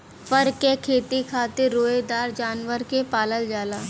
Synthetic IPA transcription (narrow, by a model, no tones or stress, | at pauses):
fəɾkekʰeːt̪ikʰaːt̪ɪɾːoːed̪aːɾd͡ʒaːnʋəɾkepaːləld͡ʒaːlaː